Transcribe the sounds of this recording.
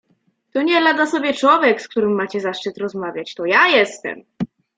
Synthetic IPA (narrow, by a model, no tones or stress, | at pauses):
t̪ɔɲɛlad̪asɔbʲjɛt͡ʂwɔvʲjɛksk̚t̪uɾɘmːat͡ɕɛzaʂt͡ʂɘt̪ɾɔzmavʲjat͡ɕt̪ɔjajɛst̪ɛ̰m